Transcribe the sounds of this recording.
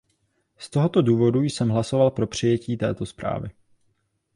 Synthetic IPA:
st̪o̞ɦo̞t̪o̞duːvo̞dujsɛmɦlaso̞valpɾo̞pr̝̥ɪjɛciːt̪ɛ̰ːt̪o̞spɾa̰ːvɪ̰

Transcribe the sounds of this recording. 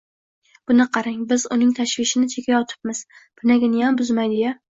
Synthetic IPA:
b̥ʊnɪqʰɑɾaŋbɪzʊnɪŋt̪ʰaʃvɪʃɪnɪt͡ʃʰekʲʰajɒt̪ʰɪ̥p̚mɪz̥b̥ʊnaɡʲanɪjambʊzmajd̪ɪja

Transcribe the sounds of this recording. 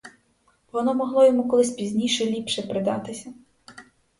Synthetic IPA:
ʋɔnɔmɔɦlˠɔjɔmukɔlˠɪsʲpʲizʲnʲijʃɛlʲipʃɛpɾɪd̪ɑ̰t̪ɪsʲɐ

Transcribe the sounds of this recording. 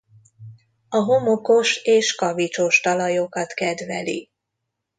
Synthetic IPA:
ɒɦo̞moko̞ʃeːʃkɒvit͡ʃo̞ʃt̪ɒlɒjokɒt̪kɛd̪ʋɛlḭ

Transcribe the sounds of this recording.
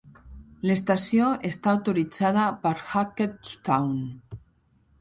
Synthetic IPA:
lest̪asioest̪aːwt̪oɾid͡zaðəpəɾxaket̪st̪awn

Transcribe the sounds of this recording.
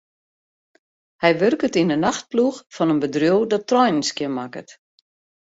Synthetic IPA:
hɛjʋørkətinənaxt̚pluxfɔnənbədrjuwdɔtːrɔjnənskjənmakə̰t

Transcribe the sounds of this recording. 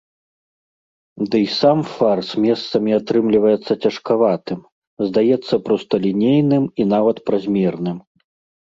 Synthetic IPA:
d̪ɨjsamfarsmʲɛst̪sɐmʲiat̪ɾɨmlʲivɐjɛt̪sːɐt͡sʲɐʂkavat̪ɨm | zd̪ajɛt̪sːɐpɾɔst̪ɐlʲinʲejnɨminavɐt̪pɾazʲmʲɛrnɨm

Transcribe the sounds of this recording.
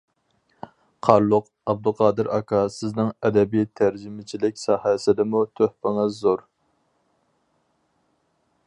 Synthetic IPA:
qʰɑɾlˠʊq | ɑb̚d̪uqʰɑːd̪ɨɾʔɑ̰kʰɑsɪznɪŋɛd̪ɛbijt̪ʰæɾd͡ʒimɪt͡ʃʰilɪkʲsɑhɛsɪd̪ɪmut̪ʰøhpɪŋɨzːoɾ

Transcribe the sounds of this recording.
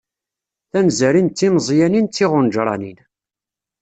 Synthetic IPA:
θænzæɾint͡s̪ːinzˤjænint͡s̪ːiʁʊnʒɾˤɑ̰nin

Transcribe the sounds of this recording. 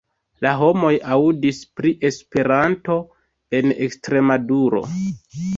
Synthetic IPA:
laɦo̞mo̞jaudispɾiʔe̞spe̞ɾanto̞ | e̞nekstɾe̞maduɾo̞̰

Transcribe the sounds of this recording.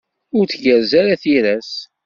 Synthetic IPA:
ʊɾt͡sʝəɾzæɾaθiɾæs

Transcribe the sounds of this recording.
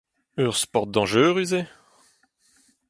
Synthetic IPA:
œʁspɔʁt̪̚d̪ɑ̃ʒøːʁyze

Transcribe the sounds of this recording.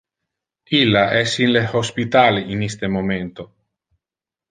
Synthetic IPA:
ilːaʔɛsinlehospit̪aːliinist̪emoment̪o

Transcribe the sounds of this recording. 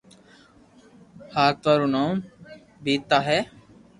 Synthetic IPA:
haːɾt̪aːɾunam | biːt̪ːaɦɛ

